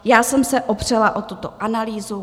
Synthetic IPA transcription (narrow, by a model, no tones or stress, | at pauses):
jaːsɛmsɛʔopr̝̥ɛlaʔo̞t̪ut̪oʔanaliːzu